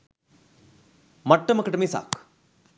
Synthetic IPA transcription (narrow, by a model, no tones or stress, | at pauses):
mɐʈːɐmɐkɐʈɐmisa̰ːk